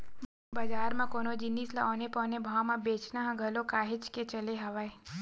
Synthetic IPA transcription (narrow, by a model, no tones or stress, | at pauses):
bəd͡ʒaːɾmãkonod͡ʒinislaɔːnepɔːnebʱawmãbeːt͡ʃnaɦãɡʱəlokaːɦet͡ʃket͡ʃəleɦəʋaj